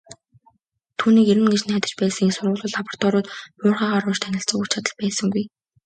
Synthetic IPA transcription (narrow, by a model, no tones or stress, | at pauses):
t̪ʰuːniːkeɾɘ̆nɡet͡ɕnæːt̪ə̆t͡ɕpæːsə̆ŋinsʊrʁʊ̆ɮʊ̆ɮapɔ̥r̥t̪ʰɔːɾʊːt̪mʊːrχaːʁaɾʊːt͡ɕt̪ʰænʲɪ̆ɬt͡sə̆ŋujʰt͡ɕʰat̪ə̆ɮpæːsə̆ŋɡuj